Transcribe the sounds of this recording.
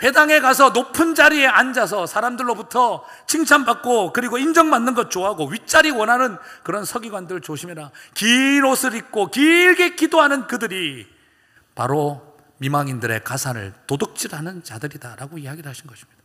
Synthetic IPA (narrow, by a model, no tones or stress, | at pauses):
ɸwe̞daŋe̞kas̬ʰʌnopʰɯnd͡ʑaɾie̞and͡ʑas̬ʰʌsʰaɾamdɯɭːobutʰʌ | t͡ɕʰiŋt͡ɕʰanbak̚k͈okɯɾiɡoind͡ʑʌŋmanːɯnɡʌt̚t͡ɕ͈oɦaɡoɥit͡ɕ͈aɾiwʌnɦanɯnkɯɾʌnsʰʌɡiɡwandɯɭt͡ɕoɕʰimeɾakiɾosʰɯɾik̚k͈okiɭɡekidoɦanɯnkɯdɯɾi | pa̰ɾo | mimaŋindɯɾe̞̰kasʰanɯ̰ɭtodɯk̚t͡ɕ͈iɾanɯnt͡ɕadɯɾidaɾaɡoiaɡiɾɯɭaɕʰinɡʌɕʰi̥mɲid̥a